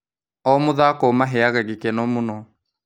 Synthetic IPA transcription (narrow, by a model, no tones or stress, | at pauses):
ɔmoðakɔmaɦɛaɣaɣekenɔmonɔ